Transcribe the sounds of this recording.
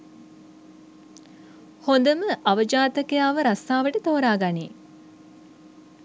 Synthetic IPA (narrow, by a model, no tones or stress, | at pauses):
hond̪əməʔaʋəd͡ʒaːt̪əkəjaːʋəɾast̪aːʋəʈət̪oːɾaːɡanḛː